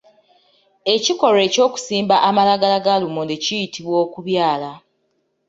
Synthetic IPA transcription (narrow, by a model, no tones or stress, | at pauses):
e̞ciko̞ɾe̞co̞ːku̥siːmbaʔamalaɡalaɡalumonecijitʰiβwo̞ːkuβjaːla